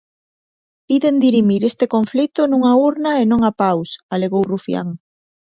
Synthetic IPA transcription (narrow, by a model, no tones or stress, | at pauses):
piðend̪iɾimiɾest̪ekoɱflit̪onũŋauɾnaenõŋapawsaleɣowrufja̰ŋ